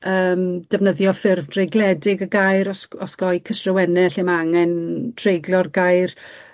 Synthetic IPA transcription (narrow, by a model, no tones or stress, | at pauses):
əːmd̥ɛvnəðjɔfɪrvd̥rejɡlˠɛdɪɡəɡajɾɔsɔsɡ̥ɔjkʰəstrəwɛnɛɬɪmaŋɛntʰrejɡlˠɔrɡajr